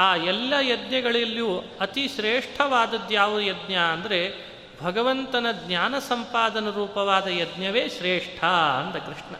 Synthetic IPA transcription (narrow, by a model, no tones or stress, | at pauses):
aːɛlːɐjɐd̪ɲjɐɡɐɭɐlːju | ɐt̪iʃɾeːʂʈʰɐʋaːd̪ɐd̪jaːʋud̪ujɐd̪njaɐnd̪ɐɾe | bʱɐɡɐʋɐnt̪ɐnɐd̪ɲaːnɐsɐmpaːd̪ɐnɐɾuːpɐʋaːd̪ɐjɐd̪njɐʋeːʃɾeːʂʈʰɐɐ̰nd̪ɐkɾiʂɳɐ̰